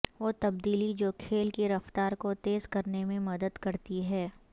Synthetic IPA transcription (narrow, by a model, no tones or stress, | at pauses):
ʋoːt̪ɐb̚d̪iːlid͡ʒoːkʰeːlkeɾɐft̪aːɾkot̪eːzkɐɾnemẽmɐd̪əd̪kɐɾt̪iɦɛː